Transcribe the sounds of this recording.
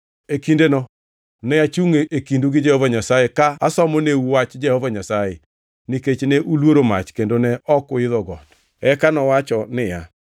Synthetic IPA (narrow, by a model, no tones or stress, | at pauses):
ekindenɔ | nɛjat͡ʃuŋeekinduɡɪd͡ʒɛhɔvaɲasajekaasɔmɔneuwat͡ʃd͡ʒɛhɔvaɲasaje | niket͡ʃneʔulwoɾoma̰t͡ʃkendonɛɔkʊɪðɔɡɔt | ɛkanɔwat͡ʃɔnɪja